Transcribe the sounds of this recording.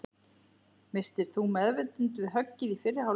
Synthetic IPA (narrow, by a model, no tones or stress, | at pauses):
mɪst̪ɪɾ̥θumɛðvɪt̪ʏnt̪vɪðɦœcːɪðifɪrːɪhaw